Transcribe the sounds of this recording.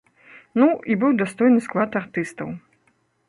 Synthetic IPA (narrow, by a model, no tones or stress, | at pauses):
nuibɨwd̪ast̪ɔjnɨsklˠat̪art̪ɨst̪ɐ̰w